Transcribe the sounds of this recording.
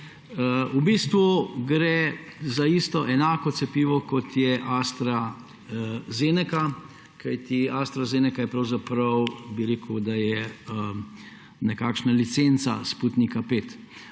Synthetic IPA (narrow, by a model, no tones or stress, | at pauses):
ubiːst̪ʋuɡɾɛzaist̪ɔʔɛnaːkɔtsɛpiːʋɔkɔt̪jɛʔast̪ɾa | zeːnɛka | kajt̪iast̪ɾazeːnɛkajɛpɾɐwzapɾɐwbiɾeːkəd̪ajɛ | nɛkaːkʃnalit̪sent̪sa̰spuːt̪nikapeːt̪